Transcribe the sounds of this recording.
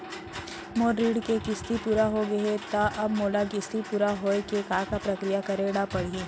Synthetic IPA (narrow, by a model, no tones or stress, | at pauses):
moːɾɾiːɽkekɪst̪ipuːɾaɦoɡɐet̪aʔɐbmoːlaɡɪst̪ipuːɾaɦoekekaːkapɾɐkɾɪjakɐɾeɽapɐɽ̤ii